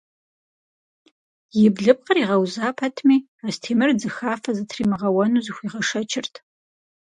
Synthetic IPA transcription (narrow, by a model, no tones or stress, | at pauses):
jɪbɮɨp̚qəriːʁɐwzaːpʰɐtʰmiː | astʰeːmɨrd͡zɨxaːfɐzɨtʰriːmɨʁɐwɐnuːzɨxʷiːʁɐʂɐt͡ʃʰɪrtʰ